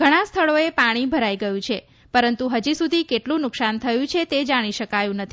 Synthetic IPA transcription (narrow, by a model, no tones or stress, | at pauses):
ɡʱəɽ̃ast̪ʰəɭoepaɽ̃ibʱəɾaiɡəjũt͡ʃʰe | pəɾənt̪uɦəd͡ʒisud̪ʱikeʈlũnʊksant̪ʰəjũt͡ʃʰet̪ed͡ʒaɽ̃iʃəkajũnət̪ʰi